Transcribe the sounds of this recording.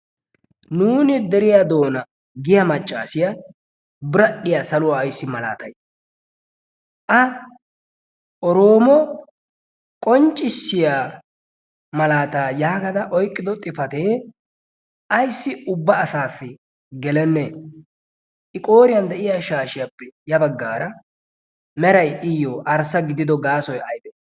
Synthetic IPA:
nuːnɪd̪ɛɾɪjad̪o̞ːnɐ | ɡɪjɐmɐt͡ʃʼːa̰ːsɪjɐ | bɪɾɐɗːɪjasɐlʊwaːjsːɪmɐla̰ːt̪ɐj | ʔɐ | ʔɔɾo̞ːmɔ | kʼɔnt͡ʃʼːɪsːɪja | mɐlaːt̪aːjaːkɐd̪ɐʔɔjkʼːɪd̪ɔt̪ʼɪfɐt̪e̞ː | ʔɐjsːɪʊbːɐːsaːfːɛ | ɡɛlɛnːɛ | ʔɪkʼo̞ːɾɪjɐnd̪ɛʔɪjaːʃaːʃɪjapːɛjɐbɐɡːaːɾɐ | mɛɾɐjʔɪjoːʔɐɾsɐɡɪd̪ɪd̪ɔɡaːsɔjɐjd̪ɛ

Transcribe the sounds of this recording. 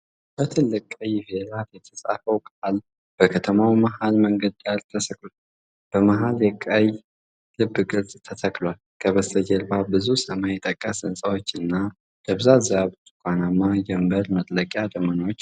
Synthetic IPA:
b̥ət̪ʰɨlːɨkʼːəjvelat̪jɛt̪ʰəsʼa̰fəwkʼal | b̥əkʰət̪ʰəmawmahalməŋɡəd̪alt̪ʰəsʰəkʼl | b̥əmaɦaljɛkʼːəj | lɨbːɨkʼɨlzʼt̪ʰət̪ʰəkʼlwal | kʰəβəst̪ʰəd͡ʒɛlbabɨzusəmajɛt̪ʼəkʼːəsɨnsʼawo̞t͡ʃːɨnːa | jəβzazaβɨt̪kʷʰʼanamːad͡ʒɛmbəɾmət̪ʼləkʼjad̪əmənwot͡ʃː

